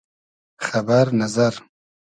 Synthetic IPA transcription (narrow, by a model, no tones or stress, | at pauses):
xabaɾnazaɾ